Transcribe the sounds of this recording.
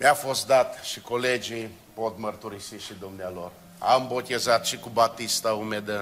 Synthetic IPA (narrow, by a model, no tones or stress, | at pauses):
mjafo̞st̪d̪at̪ʃikoled͡ʒi | pot̪mərt̪uɾisiʃid̪umnealor | a̰mbo̞t̪ʲezat̪ʃikubat̪ist̪aumed̪ə